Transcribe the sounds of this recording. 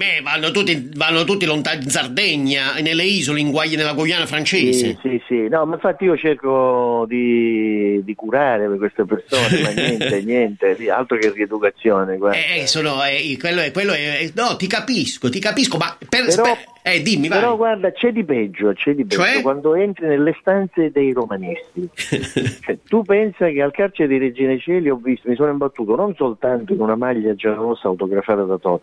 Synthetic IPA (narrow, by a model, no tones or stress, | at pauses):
mɛvanːot̪ut̪ːivanːot̪ut̪ːilont̪aninsard̪ɛɲːanelːeiːzoleiŋɡwajːanelːaɡojːaːnafɾant͡ʃeːzesisinɔmaiɱfat̪ːiiːot͡ʃerkod̪i | d̪ikuɾaːɾepekwest̪epersoːnemanjɛnt̪enːjɛnt̪elia̰lt̪ɾokeried̪ukat̪sːjɔːnekwaɛɛsonoɛkwelːoɛkːwelːoɛɛnɔt̪ikapiskot̪ikapiskomapepeɾɔ | ɛd̪imːipeɾɔɡward̪at͡ʃɛd̪ːipɛd͡ʒːoat͡ʃɛd̪ːipt͡ʃɛɛd͡ʒːokwand̪oɛnt̪ɾinelːest̪ant̪sed̪ejromanist̪i | t͡ʃoɛt̪upːɛnsak̟ealkart͡ʃeɾed̪iɾed͡ʒiːnat͡ʃɛːliɔvːist̪omisoːnoimbat̪ːuːt̪ononsolt̪ant̪oinunamaʎːad͡ʒaɔːsaːwt̪oɡɾafaːt̪ad̪at̪ɔt̪